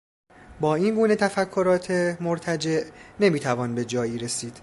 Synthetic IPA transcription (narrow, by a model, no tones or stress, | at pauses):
bɒːiːnɡuːne̞t̪ʰæfækʰːoɾɒːt̪ʰemoɾt̪ʰæd͡ʒe̞ʔne̞miːt̪ʰævɒːnbe̞d͡ʒɒːjiːɾe̞siːd̪̥